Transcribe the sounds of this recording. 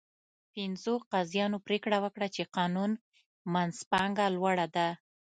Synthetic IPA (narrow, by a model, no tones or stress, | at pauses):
pɪnzoqazjɑnopɾekɽawəkɽat͡ʃeqɑnun | manspɑŋɡalwaɽad̪a